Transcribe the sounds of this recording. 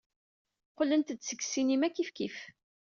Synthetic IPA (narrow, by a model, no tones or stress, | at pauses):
qlənt̪d̪sə̥ɡsinimækːifkif